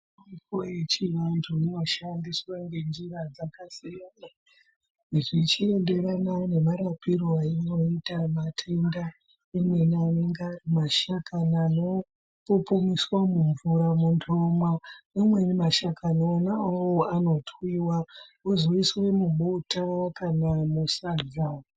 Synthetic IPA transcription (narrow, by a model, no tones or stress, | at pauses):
apojet͡ʃiʋantʰunenoʃandiswaŋɡe̞nd͡ʒirad͡zakasijana | ʐit͡ʃie̞nde̞ɾanane̞maɾapiɾoaino̞itamatʰenda | emwe̞nane̞ŋɡarimaʃakʰanaːno̞ | popomiswamuɱvuɾamundomanamwe̞nimaʃakʰanaonawoano̞twiwaozoiswe̞muɓotakanamusazao